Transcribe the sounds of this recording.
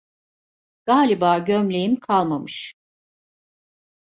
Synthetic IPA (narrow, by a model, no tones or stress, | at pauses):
ɡ̥aːlʲibaːɟømlʲejimkʰalˠmamɯʃ